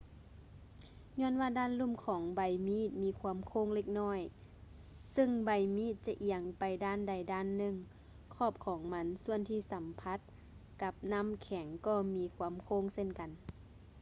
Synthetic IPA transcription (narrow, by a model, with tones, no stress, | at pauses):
ɲɔː˧˥˨nwaː˧daː˧˥˨nlu˧˥˨mkʰɔː˩˦ŋba˨˧˩jmiː˧˥˨t̪̚miː˧˥˨kʰuː˧ə˨mkʰoː˧˥˨ŋle˧˩k̚nɔː˧˥˨j | sɯ˧˨ŋba˨˩jmiː˧˥˨t̪̚t͡ɕa˧ʔi˧˨əŋpa˨jdaː˧˥˨nda˨˩jdaː˧˥˨nːɯ˧˨ŋ | kʰɔː˧˩p̚kʰɔː˨˦ŋma˧˥nsu˧˨ənt̪ʰiː˧˩˨sa˨˦mpʰa˧˥t̪̚ | ka˧˦p̚na˧˥˨mkʰɛ˨˩˦ŋkɔː˧˩miː˧˥kʰuː˧˨mkʰoː˧˥˨ŋse˧˨nka˨n